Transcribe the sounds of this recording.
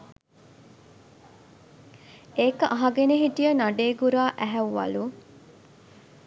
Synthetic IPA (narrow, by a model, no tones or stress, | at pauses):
eːkəʔaɦɐɡeneɦiʈijənaɖeːɡuɾaːʔæɦæːɐ̰lu